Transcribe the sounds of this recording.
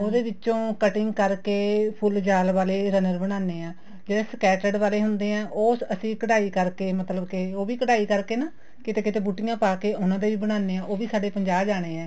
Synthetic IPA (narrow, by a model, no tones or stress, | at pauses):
oːd̪eːʋɪt͡ʃt͡ʃõːkəʈɪŋɡkəɾkeːpʰʊld͡ʒaːlʋaːleːɾənəɾbəɽ̃aːneːãː | d͡ʒeːɽeːsəkɛːʈəɖʋaːleːɦʊnd̪eːãːʔoːsəsĩːkəɽaːiːkəɾkeːmət̪ləbkeoːʋiːkəɽaːiːkəɾkeːnaː | kɪt̪eːtkɪt̪eːbuːʈɪjãːpaːkeːʔʊnãːd̪eːʋiːbəɽ̃aːneːãːʔoːʋiːsaːɖeːpəɲd͡ʒaːbd͡ʒaːɽ̃eːɛ̃ː